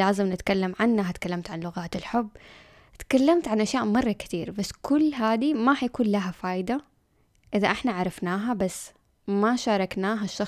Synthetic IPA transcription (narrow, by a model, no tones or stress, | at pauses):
laːzɪmnɪt̪kalːamʕanːaɦat̪kalːamt̪ʕanlʊɣaːt̪ɪlħʊbː | t̪kalːamt̪ʕanʔaʃjaːʔmɑrˤːɑkɪ̥t̪iːɾbasːkʊlːɦaːd̪imahajakuːnlaɦafaːjd̪a | ʔɪðaʔɪħnaʕɑɾˤɑfnaːɦabasː | maʃɑːɾˤɑknaːɦaʃːɑ